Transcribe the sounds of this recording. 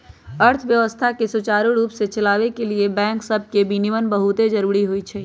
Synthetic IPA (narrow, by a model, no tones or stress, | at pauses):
əɾt̪ʰʋjəʋəst̪ʰakesut͡ʃaːɾuɾuːpset͡ʃɐlaːʋekeliebɛ̃ːŋksəb̚ʱkebiniʋənbəɦut̪ed͡ʒəɾuːɾiɦoit͡ʃʰɛː